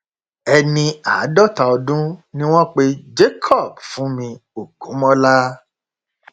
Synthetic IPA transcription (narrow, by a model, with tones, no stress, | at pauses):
ɛ˧nĩ˧a˨˦dɔ˦˨ta˧ɔ˧dũ˦nĩ˦w̃ɔ̃˦k͡pe˧d͡ʒe˦kʰɔ˦˨b̚fũ˨˦mĩ˧o˨ɡ̥ũ˨˦mɔ̃˦la˦